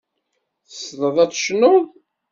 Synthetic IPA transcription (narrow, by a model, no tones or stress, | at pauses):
θəsðˤəðˤæt͡sːʃnoðˤ